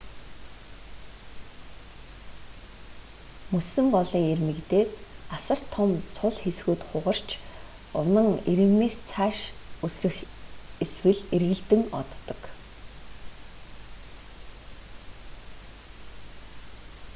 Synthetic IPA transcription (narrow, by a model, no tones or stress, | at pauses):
mɵsɘ̆ŋɢɔɮiːŋermĕkt̪eːt̪asə̆r̥t̪ʰːɔmt͡sʰʊɮxesxuːt̪χʊʁə̆r̥t͡ɕʰ | ʊnə̆ŋeɾɘ̆ɣneːst͡sʰaːʃɵsrɘ̆xeswɘ̆ɮerɣɘ̆ɮt̪ɘ̆ŋɔ̰t̪ːɞ̥̆k